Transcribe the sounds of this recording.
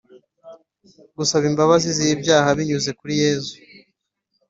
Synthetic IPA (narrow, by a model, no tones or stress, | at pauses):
ɡusaβimbaβazizijibjaːhaβiɲuze̞kuɾije̞ːzu